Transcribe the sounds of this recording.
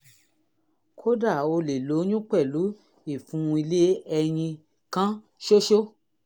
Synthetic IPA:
kʰo˦da˦˨o˧le˨lo˨˦nũ˦k͡pɛ˦˨lu˨˦ | i˦˨fũ˨˦˧i˧le˦ɛ˧j̃ĩ˧ | kã˦ | ʃo˦ʃo˦

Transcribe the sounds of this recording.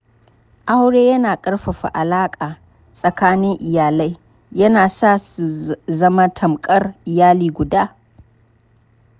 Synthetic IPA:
ʔa˦wɽeː˦jɐ˦naː˨kʼɐ˦rɸɐ˨ɸa̰˨ʔa˨laː˦kʼaː˨ | sʼɐ˨kaː˦nɪ˦ŋʔɪ˨jaː˨la˦j | jɐ˦naː˨saː˦˨su˨zɐ˦ma˦tʰɐ˨mkʼɐ˦rʔɪ˨jaː˦liː˨ɡʷʊ˨daː˦

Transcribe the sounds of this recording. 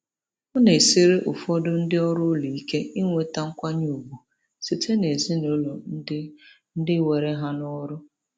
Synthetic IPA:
ɔ˦ne˨si˦ɾe˦ʔʊ˨fɔ˦dʊ˦n̩˦dɪ˦ɔ˦ɾʊ˦lu˨i˦ke˦i˦ŋʷe˨ta˦ŋ̩˦kʷa˦ɲu˦˨u˨bu˨ | si˨tʰe˦ne˨zi˦no˦lo˨˦ | n̩˦dɪ˦we˨ɾe˦ɦa˦nɔ˦ɾʊ˦

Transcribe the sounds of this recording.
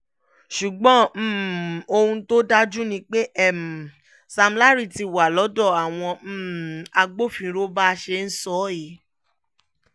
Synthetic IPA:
ʃu˨ɡ͡bɔ̃˨˦m̩˦˨o˧hũ˧to˦da˦d͡ʒu˦nĩ˧k͡pe˦ʔɛ˦˨m̩˨ | sa˧m̩˧la˦ɾi˦˨ti˨wa˨lɔ˨˦dɔ˦˨a˨w̃ɔ̃˧m̩ː˦˨a˧ɡ͡bo˦fĩ˧˦ɾo˦ba˦˧ʃe˧n̩˦sɔ˦i˨˦

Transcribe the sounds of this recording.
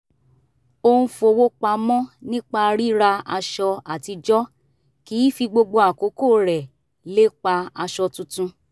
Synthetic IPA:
o˧ũ˧fo˧wo˦k͡pa˧mɔ̃˦nĩ˦k͡pa˧ɾi˦ɾa˧a˧ʃɔ˧a˨ti˧d͡ʒɔ˦ | ki˨˦fi˧ɡ͡bo˧ɡ͡bo˧a˨ko˨˦ko˦˨ɾɛ˨ | le˦k͡pa˧a˧ʃɔ˧tũ˧tũ˧

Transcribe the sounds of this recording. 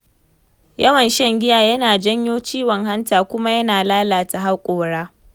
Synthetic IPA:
jɐ˦wɐ˨nʃɐ˦ŋɡʲɪ˦jaː˨jɐ˦naː˨d͡ʒɐ˦ɲjoː˦t͡ʃiː˦wɔ˨ŋɦa˦ntaː˨kʷʊ˦ma˦jɐ˦naː˨laː˦laː˨ta˨ɦa˦kʷʼoː˨ɽaː˦

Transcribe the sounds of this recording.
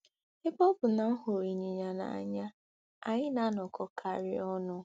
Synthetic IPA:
ɪ˦bɔ˦bʊ˨na˨m̩˦ɦo˨ɾi˨ɲi˨ɲa˨na̰˨a̰˨ɲa˦ | a˨ɲɪ˦na˨˦nɔ˨kʰɔ˨kʰa̰˨ɾɪ˦ɔ˦nʊ˦

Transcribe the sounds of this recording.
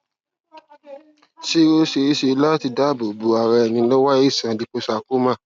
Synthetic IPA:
si˦o˦ʃe˧i˦ʃe˧˦la˦ti˧da˦˨bo˨bo˨˦a˨ɾɛ˧ɛ˨nĩ˧lɔ˦wa˦i˦˨sã˨˧˨di˧ko˧sa˧ku˦mã˦˨

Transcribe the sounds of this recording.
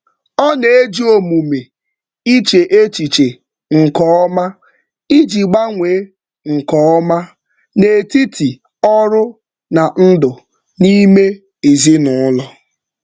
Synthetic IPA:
ɔ˦ne˨e˦d͡ʒi˦o˨mu˨me˨ | i˦t͡ʃe˨ʔe˦t͡ʃi˨t͡ʃe˨ | ŋ̩˨kɔ˨˦ɔ˦ma˦ | i˦d͡ʒi˨ɡ͡ba˦ŋʷe˨˦ | ŋ̩˨kɔ˨˦ɔ˦ma˦ | ne˨ti˦tʰi˨ | ɔ˦ɾʊ˦ | na˨n̩˦dʊ˨ | ni˦me˦ | e˨zi˦nʊ˨ʊ˦lɔ˦

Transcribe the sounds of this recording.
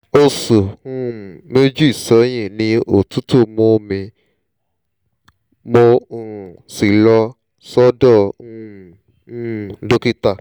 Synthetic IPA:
o˧so˨ũ˦˨me˦d͡ʒu˦i˨sɔ˨˦j̃ĩ˦˨nĩ˧o˨tu˦to˦˨mo˧mĩ˧ | mõ˧˨ | si˨lɔ˧ | sɔ˦dɔ̃˦˨˦ | do˦ki˦ta˦˨

